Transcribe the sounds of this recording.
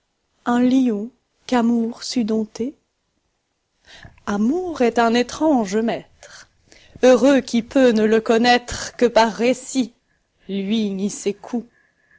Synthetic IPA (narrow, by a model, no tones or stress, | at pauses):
ɛ̃liɔ̃ | kamuʁsyd̪ɔ̃t̪e | amuʁɛt̪ɛ̃net̪χɑ̃ʒmɛt̪χ | øʁøkʲipønələkɔnɛt̪χkəpaʁːesi | lɥinisekʰu